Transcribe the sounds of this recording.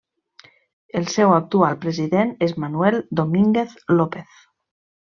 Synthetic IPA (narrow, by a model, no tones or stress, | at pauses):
elsewak̚t̪ualpɾeziðenezmanueld̪omiŋɡeθlopeθ